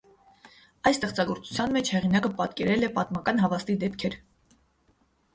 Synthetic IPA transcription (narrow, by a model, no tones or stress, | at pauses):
ɑjst̪ɛχt͡sɑɡɔɾt͡su̥t͡sʰjɑnmɛt͡ʃʰhɛʁinɑkəpɑt̪kɛɾɛlɛpɑt̪mɑkɑnɦɑvɑst̪id̪ɛpkʰɛɾ